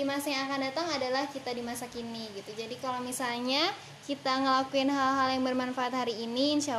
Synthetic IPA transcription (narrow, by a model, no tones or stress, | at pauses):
dimasajaŋakandat̪aŋadalahkit̪adimasakiniɡit̪ud͡ʒadikalomisalɲa | kit̪aŋəlakuɪnɦalɦaljaŋbərmanfaat̪̚haɾiːniəɲsa